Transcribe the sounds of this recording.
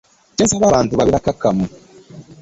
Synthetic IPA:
t͡ʃisaβaβaːntuβaβiɾakakamu

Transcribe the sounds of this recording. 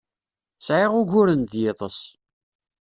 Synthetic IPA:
sʕeʁʊʝʊɾənðjeðˤəs

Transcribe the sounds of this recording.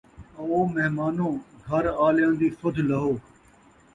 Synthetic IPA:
ə̃oːmɛɦmaːnõːɡʱəɾaːljãːnd̪iːsʊd̪ʱləɦoː

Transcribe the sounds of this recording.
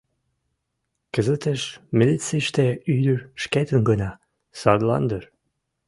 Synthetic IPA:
kə̆zət̪eʃmʲilʲit̪t͡siʃt̪eyd̪yʃket̪ənɡənɑ | sɑd̪lɑ̰nd̪ər

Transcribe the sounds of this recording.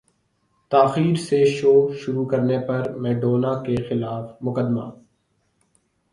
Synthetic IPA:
t̪aːxiːɾseʃoːʃʊɾukɐɾnepɐɾmɛːɖoːnakexɪlaːfmʊkəd̪ma̰ː

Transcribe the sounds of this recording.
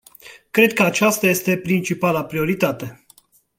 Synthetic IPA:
kɾe̞d̪̚kəat͡ʃast̪aje̞st̪e̞pɾint͡ʃipalapɾio̞ɾit̪at̪e̞

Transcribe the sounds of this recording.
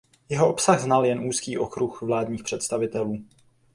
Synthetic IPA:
jɛɦoʔopsaɣznaljɛnʔuːskiːʔo̞kɾuxvlaːdɲiːxpr̝̥ɛt̪st̪avɪt̪ɛluː

